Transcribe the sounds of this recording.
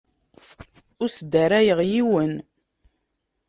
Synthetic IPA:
ʊɾsd̪æɾæjəʁjiwən

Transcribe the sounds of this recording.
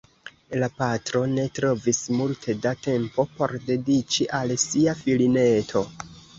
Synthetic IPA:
lapatɾo̞ne̞tɾo̞vismultʰe̞date̞mpo̞po̞ɾde̞dit͡ʃiʔalsiafiline̞tʰo̞

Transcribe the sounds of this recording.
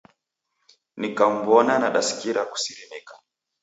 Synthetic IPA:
nikam̩bɔnanaɗasi̥kiɾaku̥siɾimikḁ

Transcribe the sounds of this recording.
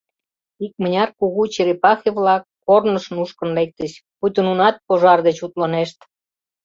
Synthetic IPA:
ik̚mənʲɑrkuɣut͡ɕiɾepɑxeβlɑkːornəʃə̆nuʃkə̆nlek̚t̪əɕput̪ənunɑt̪̚poʒɑrd̪et͡ɕut̪lɑneʃt̪

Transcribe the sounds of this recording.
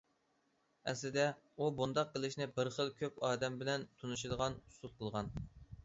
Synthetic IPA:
ɛ̰slɪd̪ɛ | ubund̪ɑqqːəlˠɪʃnɪbəɾχəlˠkʲʰøpɑːd̪ɛmbɪlɛnt̪ʰunuʃ̬id̪əʁɑnusul̚ˠqʰəlˠʁɑn

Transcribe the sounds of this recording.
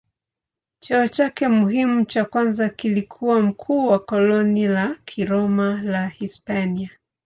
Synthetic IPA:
t͡ʃɔɔt͡ʃakɛmuɦimut͡ʃakwanzakilikʰuwam̩kʰuːwakɔlɔnilakʰiɾɔmalahispania

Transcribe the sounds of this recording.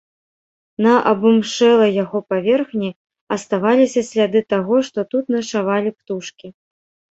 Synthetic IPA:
nɐʔɐbumʂɛlˠɐjaɣɔpavʲɛrxnʲi | ɐst̪avalʲisʲɐsʲlʲad̪ɨt̪aɣɔʂt̪ɔt̪ut̪nɐʂavalʲipt̪uʂkʲi

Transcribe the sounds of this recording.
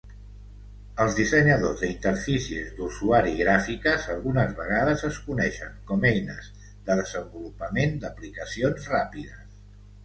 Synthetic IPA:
əlˠzðisəɲəðozðəint̪əɾfisiə̰zd̪uzuaɾiɣɾafikəzəlˠɣunəzβəɣaðəzəskunɛʃəŋkɔmɛjnəz | ðəðəzəmbulupəmend̪əplikəsionzrapiðəs

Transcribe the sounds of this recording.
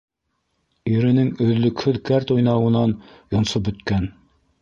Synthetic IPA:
iɾɘ̆nɘŋɵ̆ðlɵ̆khɵðkæɾt̪ujnɑwɤ̆nɑnjŏnsopbɵ̆t̪kæn

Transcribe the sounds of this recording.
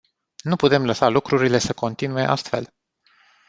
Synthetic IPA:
nuput̪e̞mləsalukɾuɾile̞səko̞nt̪inue̞ʔa̰st̪fe̞̰l

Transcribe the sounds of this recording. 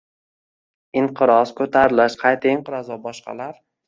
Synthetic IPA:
ɪɴqʰɨɾɒskʰɵt̪ʰaɾɪlɪʃqʰɑjt̪ʰaɪɴqʰɨɾɒzɒbɒʃqʰɑ̰laɾ

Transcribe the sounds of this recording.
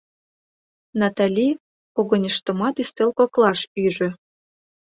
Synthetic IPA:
nɑt̪ɑlʲi | koɣŏnʲəʃt̪ə̆mɑt̪yst̪elkoklˠɑʃyʒø̆

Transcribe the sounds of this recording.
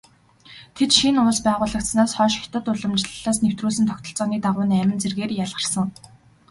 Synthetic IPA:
t̪ʰet̪ʃinʊɮspæːʁʊːɮə̆k̚t̪snaːsχɔːʃɪxʰt̪ə̆t̪ʊɮə̆mt͡ɕɪɮɮaːs̬new̥t̪ruːs̬ɘ̆nt̪ʰɔkt̪ʰɞ̆ɬt͡sɔːniːt̪aʁʊːnæmʲɪ̆nt͡serɣeːrjaɮʁə̆r̥sə̆ŋ

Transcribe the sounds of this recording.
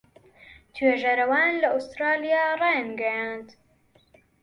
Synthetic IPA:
t̪ʰweːʒɐɾɐwaːnlɐʔust̪ɾaːlijaːrˤɑjnɡɐjaːnt̪

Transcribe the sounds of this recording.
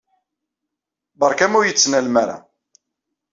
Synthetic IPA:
bəɾˤkæmujət͡sːnælmaɾa̰

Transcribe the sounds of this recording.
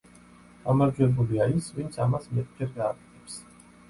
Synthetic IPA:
ɡ̥amaɾd͡ʒwɛbuliaisvint̪sʰamasmɛt̪ʼd͡ʒɛɾɡaːkʼɛ̥t̪ʰɛps

